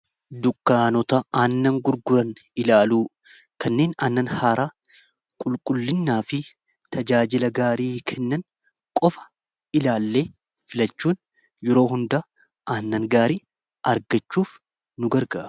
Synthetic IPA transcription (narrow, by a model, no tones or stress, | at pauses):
d̪ʊkːaːnɔt̪ɐʔaːnːɐŋɡʊɾɡʊɾɐnɪlaːluː | kɐnːeːnaːnːɐnhaːɾaː | kʼʊlkʼʊlːɪnːaːfɪ | t̪ʰɐd͡ʒaːd͡ʒɪlɐɡaːɾiːkʰɛnːɐn | kʼɔfɐ̥ | ɪlaːlːe̞ː | fɪlɐt͡ʃːuːn | jɛɾo̞ːɦʊnd̪a | ʔaːnːɐŋɡaːɾiː | ɐɾɡɐt͡ʃːuːf | nʊɡɐɾɡɐʔ